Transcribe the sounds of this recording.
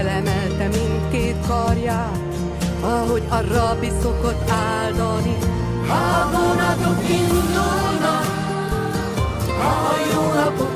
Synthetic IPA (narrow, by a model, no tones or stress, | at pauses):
lɛmɛlt̪ɛmint̪keːt̪kɒrjaːt̪ | ɒɦo̞ɟɒrɒbiso̞ko̞t̪ːaːld̪ɒlni | ɒbonɒt̪okind̪ulnɒ | ɒɦojoːnɒpo